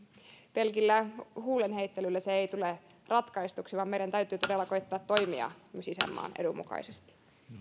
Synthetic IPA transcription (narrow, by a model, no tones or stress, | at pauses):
pe̞lkilːæhuːlenɦejt̪ːelylːeseeijt̪ule | rɑt̪kɑist̪uksiʋɑmmeiɾænt̪æyt̪ˑyːt̪o̞delːɑkoit̪ːɑːt̪ːo̞jmiɑ̰ysisḛmːɑ̰ːnḛdumṵkɑ̰isest̪i̥